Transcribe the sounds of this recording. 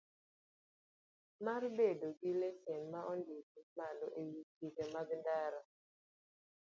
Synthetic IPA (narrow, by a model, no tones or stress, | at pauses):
marbedoɡilɛsjɛnmaʔɔndidimalɔʔewiikemaɡndaɾa